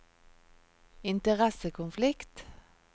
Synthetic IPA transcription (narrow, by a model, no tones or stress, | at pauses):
ɪnt̪əʁɛsəkʰʊnflɪkt̪